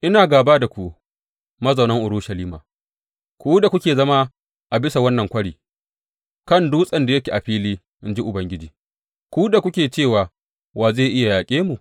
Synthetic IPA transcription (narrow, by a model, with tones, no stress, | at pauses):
ʔɪ˦naː˨ɡaː˨baː˦da˨kʷu˦ | mɐ˦zɐ˨nɐ˦ŋʔʊ˨ɾʊ˦ʃɐ˨liː˦ma̰ː˨ | kʷu˦da˨kʷʊ˦kʲeː˨zɐ˦ma˦ | ʔa˨bɪ˦sa˨wɐ˦nːɐ˨ŋkʷɐ˦ɽiː˨ | kɐ˦˨nduː˦sʼɐ˨nda˨jɐ˦kʲi˨ʔa˨ɸiː˦liː˦ | ʔɪ˦nd͡ʒi˦ʔʊ˨bɐ˦ŋɡʲɪ˦d͡ʒiː˨ | kʷu˦da˨kʷʊ˦kʲeː˨t͡ʃeː˦˨waː˨ | waː˨zeː˦˨ʔɪ˦ja˨jaː˨kʲʼeː˦mu˨